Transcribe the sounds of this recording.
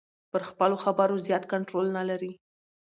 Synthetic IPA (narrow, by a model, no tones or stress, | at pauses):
pəɾxpəloxabaɾozjɑt̪kaɳʈɾolnalaɾi